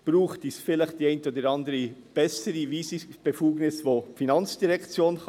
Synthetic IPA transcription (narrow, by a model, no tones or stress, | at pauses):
b̥ɾuːχtisfɪlɪχt̚d̥iɛɪntəoːdəɾɑndəɾib̥ɛsəɾiviːsib̥efuːɡnɪsvoːfinɑnt͡sd̥iʁɛkt͡sjoːnχ